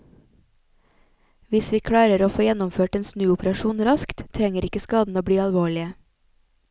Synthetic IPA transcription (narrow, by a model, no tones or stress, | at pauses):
ʋɪsʋiːkʰɽɑːɾəɾoːfoːjɛnɔmføːʈeːnsnʉːʊpəɾɑʃuːnɾɑskt̪t̪ʰɾɛŋəɾɪkəskɑːd̪n̩oːbɽiːɑlʋoːɭɪə